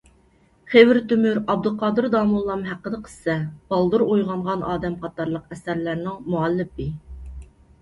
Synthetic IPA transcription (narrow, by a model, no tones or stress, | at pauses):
χevɪɾt̪ymyɾɑb̚d̪ɨlˠqʰɑːd̪ɨɾd̪ɑːmulˠːɑmɦæqəd̪əqʰə̥ssɛb̥ɑlˠd̪uɾojʁɑɴʁɑnɑːd̪ɛmqʰɑt̪ɑɾlˠəqɛsæɾlæɾnɪŋmuɑlːɪp̚ɪ